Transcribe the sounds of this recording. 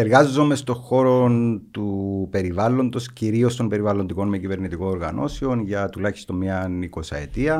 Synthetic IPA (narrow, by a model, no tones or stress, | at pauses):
eɾɣɐzːome̞st̪o̞xo̞ɾo̞nt̪upe̞ɾivɐlːo̞nd̪o̞sciɾio̞st̪o̞mbe̞ɾivɐlond̪iko̞nmecive̞ɾnit̪iko̞no̞ɾɣɐ̰nʔo̞̰se̞o̞nʝɐt̪ulɐçi̥st̪o̞mɲɐniko̞sɐ̰et̪iɐ